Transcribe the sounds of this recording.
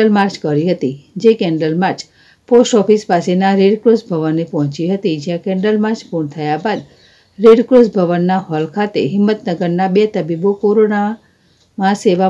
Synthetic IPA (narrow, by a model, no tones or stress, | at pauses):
əlmaɾt͡ʃkəɾiɦət̪id͡ʒekɛ̃ɳɖəlmaɾt͡ʃ | posʈɔfispasenaɾeɖkɾosbʱəʋənːepɔɦt͡ʃiɦət̪id͡ʒjãkɛ̃ɳɖəlmaɾt͡ʃpuɳt̪ʰəjabad̪ | ɾeɖkɾosbʱəʋənːaɦɔlkʰat̪ḛɦɪmːət̪nəɡəɾnabet̪əbibokoɾona | mãseʋa